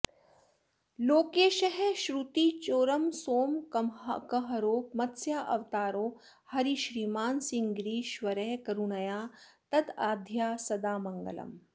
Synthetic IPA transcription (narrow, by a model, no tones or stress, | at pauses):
loːkeːʃɐɦeʃɾut̪it͡ʃoːɾɐmsoːmkɐmkɐɦɐɾoːk̚mɐt̪sjaːʔɐʋt̪aːɾoː | hɐɾiʃɾiːmaːnsiŋɡɾiːʃʋɐɾɛːkɐɾunɐjaːt̪ɐd̪aːd̪ʱjaːsɐd̪aːmɐŋɡə̰lɐ̰m